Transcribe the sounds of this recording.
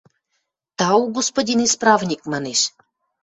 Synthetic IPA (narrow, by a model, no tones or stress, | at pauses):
t̪ɑuɡospodʲinisprɑvnʲikmɑneʃ